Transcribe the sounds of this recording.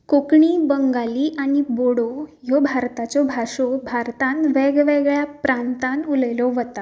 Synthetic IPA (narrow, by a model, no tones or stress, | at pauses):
kokɳiːbəŋɡaliːʔañiboɽɔjɔbʱaɾt̪at͡ɕɔbʱaʂɔbʱaɾt̪ãnʋɛɡʋeɡɭjapɾant̪anuləjlɔʋət̪a